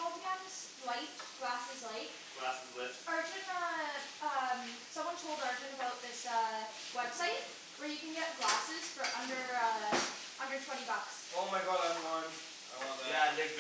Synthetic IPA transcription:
ɔlˠbɡɛ̃nz̥ | laɪtɡ̥læsɪzleɪk | ɡ̥læsɨzlɪtɜ˞d͡ʒɨ̃nʌʌ̃m | sʌ̃mwʌ̃ntʰoʊlˠdɜ˞d͡ʒɨ̃nəbaʊt̪̚ðɪsʌ | wɛb̥saɪt̚ | wə˞jɨkɨ̃nɡɛʔɡlæsɪz̥fə˞ʔʌ̃ndə˞ʌ | ʔʌ̃ndə˞tʰw̥ɛ̃ɾ̃ibʌks | oʊmaɪɡɑdɛvɹiwʌ̃n | jæ

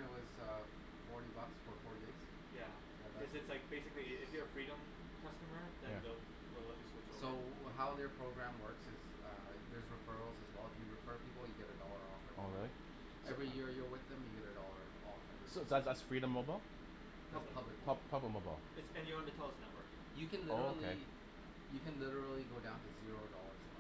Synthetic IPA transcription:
nɨt̚wʌz̥ʌ | fɔɹɾibʌksfə˞fɔɹɾiez̥ | jæ | ʌzɨtslaɪk̚b̥eɪsɨkliɪfjə˞fɹiɾə̃m | kʰʌstəməðɨ̃jnæðo | lɪɾl̩ˠɪvɪ̃ŋswɪt͡ʃsoʊɦaʊððə˞pʰɹ̥oʊɡɹæ̃mwɜ˞ksɪz̥ | ʌ | ðə˞zɹɨfɜ˞l̩ˠzɨzwɛlˠəfjɨɹɨfɜ˞pʰipl̩ˠjɨɡɛɾɨdɔlˠə˞ɔfəɔɹɪlˠi | ɛvɹijɪɹjə˞wɪðɨ̃mjɨɡɛɾɨdɔlˠə˞ | ɔfə̰ | soʊsætsðætsfɹiɾə̃moʊbaɪlˠ | ðæspʰʌblɨk̚pʰʌpʰʌblək̚moʊba̰ɪlˠɨtsɨ̃njə˞ə̃ntɨtʰɛlˠʌsnəʔ̚wɜ˞kɪ̃ŋjɨkɨ̃nloɾol̩kˠʰieɪ | jɨkɨ̃nlɪɾə˞l̩ˠiɡoʊdãʊ̃ntɨzɪɹoʊdɔlˠə˞z̥

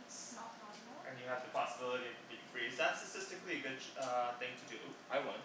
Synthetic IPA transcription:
snɔt̚pʰɑsb̩ˠʔɨ̃njɨəvðɨpʰɑsəbɪlˠəɾiʌtʰɨbifʰɹizðætstɨtʰɪstɨkliɨɡʊd̚ʌθɪ̃ŋtʰɨdɨʔaɪwʌ̃n

